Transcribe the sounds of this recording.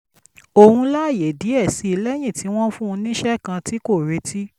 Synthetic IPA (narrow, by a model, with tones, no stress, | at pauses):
o˧˨hũ˧la˦˨je˨di˨˦ɛ˦˨si˧˦i˧lɛ˦j̃ĩ˦˨ti˨˦w̃ɔ̃˦fũ˦˧nĩ˦ʃɛ˦kã˧ti˨˦ko˦˨ɾe˧˦ti˦